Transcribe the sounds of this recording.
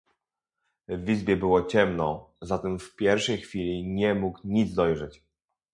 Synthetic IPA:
vʲizbʲjɛbɘwɔt͡ɕɛmnɔzat̪ɛmfpʲjɛɾfʂɛjxfʲilʲiɲɛmukɲid̪zd̪ɔjʐɛt͡ɕ

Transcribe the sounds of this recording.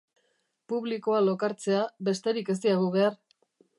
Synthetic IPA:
puβliko̞alo̞kaɾt͡se̞abe̞st̪e̞ɾike̞s̬iaɣuβe̞ar

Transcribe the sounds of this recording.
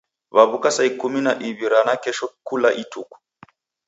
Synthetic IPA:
βaβukasaikuminaʔiβiɾanakɛʃɔkulaʔitʰuku̥

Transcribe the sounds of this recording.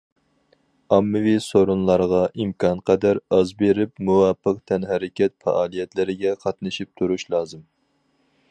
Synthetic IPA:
ɑmːɨvisoɾunlˠɑɾʁɑʔimkʰɑnqʰɛd̪æɾɑzbeɾɪpmuwɑpːəq̚t̪ʰɛnɦɛɾɪkʲɛt̪fɑ̰ʔɑːlˠijɛt̪lɪɾɪɡʲɛqʰɑt̪nɨʃip̚t̪ʰuɾuʃlˠɑːzɨm

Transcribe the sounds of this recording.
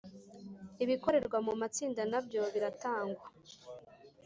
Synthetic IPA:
iβiko̞ɾe̞ɾɡwamumat͡siːndanabjo̞βiɾataːŋɡwa

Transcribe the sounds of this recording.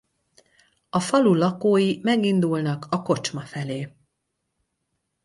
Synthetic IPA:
ɒfɒlulɒkoːjimɛɡind̪ulnɒkɒko̞t͡ʃmɒfɛleː

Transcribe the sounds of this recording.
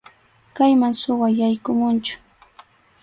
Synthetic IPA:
kajmaŋsʊwajajkʊmʊnt͡ʃʊ̥

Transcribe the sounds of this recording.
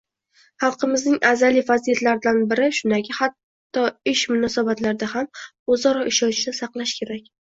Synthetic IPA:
hɑlˠqɨmɪznɪŋazalivazijat̪laɾɪd̪anbɪɾɪʃʊnd̪akʲʰɪhat̪ː | ɒɪʃmʊnɒsabat̪laɾɪd̪aham | ozɒɾɒʔɪʃɒnt͡ʃd̪asɑqlˠaʃkʲʰe̞ɾakʲ

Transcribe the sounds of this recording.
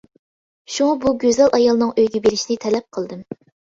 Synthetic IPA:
ʃuŋɑbuɡʲøzɛlʔɑjɑlˠɨnɨŋøjɡʲɛbeɾɪʃinɪt̪ʰɛlɛp̚qʰəlˠd̪ɨm

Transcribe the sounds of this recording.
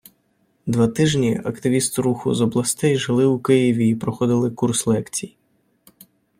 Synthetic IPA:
d̪ʋat̪ɪʒnʲiɐkt̪ɪʋʲist̪ɪɾuxʊ̰zɔblˠɐst̪ɛjʒɪlˠɪwkɪjiʋʲiːpɾɔxɔd̪ɪlˠɪkurslˠɛkt͡sʲij

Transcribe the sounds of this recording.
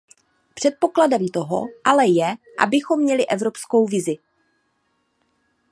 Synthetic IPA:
pr̥ɛt̪̚po̞kladɛmt̪o̞ɦo̰ʔalɛjɛ | ʔa̰bɪxo̞mːɲɛlɪʔɛvɾo̞psko̞wvɪzɪ

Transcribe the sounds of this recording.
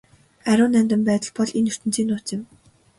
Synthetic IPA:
æɾʲʊːnæmʲt̪ɘ̆mpæːt̪ə̆ɮpɔɮenɵr̥t̪ɘ̆nt͡siːnʊːt͡sɪ̆m

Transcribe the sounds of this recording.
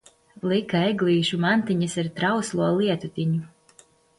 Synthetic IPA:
lˠikaɛɡlˠiːʃumant̪iɲɐsiɾt̪ɾawslˠuɔlˠiɛt̪ut̪ʲiɲu

